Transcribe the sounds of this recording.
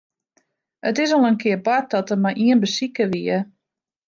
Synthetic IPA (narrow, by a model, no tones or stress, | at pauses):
ətɪsɔlnənkʰɪərbɔt̚dɔtəmajʔiənbəsikəʋiə